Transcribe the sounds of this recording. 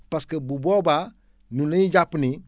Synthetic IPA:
paskebuboba | nuneiɟapni

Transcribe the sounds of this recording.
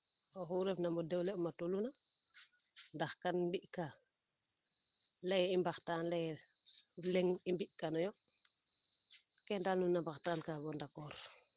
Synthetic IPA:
ɔxuɾɛfnamɔdɛwleumatuluna | ndaxkanmbiʔka | lejimbaxtaːnlɛj | lɛŋimbiʔkanɔjɔ | kɛndaːlnunːambaxtaːnkaɡɔndakɔːɾ

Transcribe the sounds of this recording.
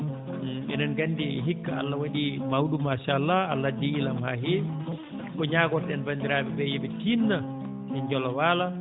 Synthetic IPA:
ɛ̰nanɡandiɦikːaa̰lːawaɗimauɗumaʃaːlːaa̰lːadiːlamɦaɦe | kɔɲaɡɔtɗɛnbandiɾabɛbɛjɛɓɛtinːa | ɛɲd͡ʒɔlɔwala

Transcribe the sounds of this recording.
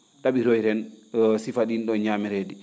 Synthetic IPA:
ɗaɓiɾɔjɾɛnsifaɗinɗɔɲamɛɾedi

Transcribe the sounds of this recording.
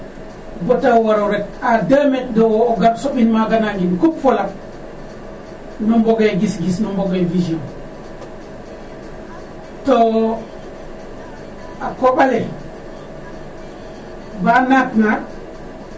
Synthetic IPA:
botawaɾoɾek̚adametdowːɡabsoɓinmaɡanaŋɡinkupfolak̚ | nomboɡeɡisɡisnumboɡevision | to | akoɓale | banakna

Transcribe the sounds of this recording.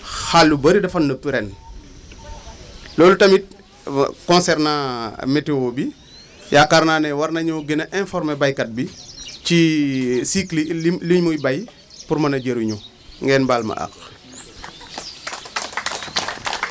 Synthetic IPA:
xalːubɐɾidɐfɐnːəpːiɾɛn | lɔːlutɐmit̚ | kɔ̃nsɛrnameteoːbi | jaːkaɾnaːnɛwɐrnɐɲɔɡenɐʔɛ̃nfɔɾmɛbajkɐt̚bicisikliliɲmujbɐj | purmɐnɐɟɐɾuɲu | ŋɡɛːnbaːlmɐ̰ʔɐ̰k

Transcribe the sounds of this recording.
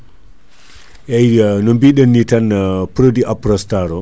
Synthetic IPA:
ʔɛjnɔmbiɗənːitanpɾodiʔapɾɔstaɾɔ

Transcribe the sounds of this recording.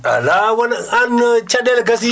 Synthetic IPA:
a̰lawɐnant͡ʃadelakas̬i

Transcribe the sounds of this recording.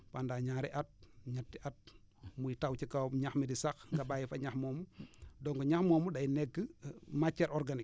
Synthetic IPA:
pandaːɲaːɾiʔat̚ɲatːiʔat̚ | mujitawt͡ʃikawmɲaxmidisaxŋɡabajifaɲaxmɔːmudɔŋɡɔɲaxmɔːmudajnɛkːəmat͡ʃːɛɾʔɔɾɡanik

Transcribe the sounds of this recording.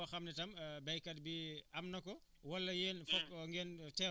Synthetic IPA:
ɐxɐmnɛtɐmbɛjkɐt̚biɐmnɐkɔ | wɐlːɐjɛːnfɔkŋɡɛntɛː

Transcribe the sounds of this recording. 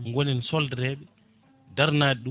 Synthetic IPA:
ŋɡonɛnsɔldɛɾɛɓɛ | daɾnaːɗɛɗu

